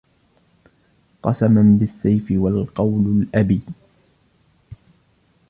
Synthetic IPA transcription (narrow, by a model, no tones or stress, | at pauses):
qɑsamanbɪsːajfɪwalqɑwlʊlʔabiː